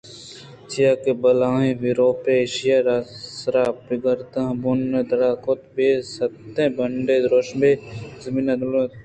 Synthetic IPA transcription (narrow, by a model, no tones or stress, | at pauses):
t͡ʃijakebɐlãːɦẽʋiɾoːpeeːʃijaɾasɾaːpiɡəɾt̪ãbunːed̪ɐɾaːkot̪besɐt̪ːẽbɐɳɖed̪ɾoːʃnbezɐminɐd̪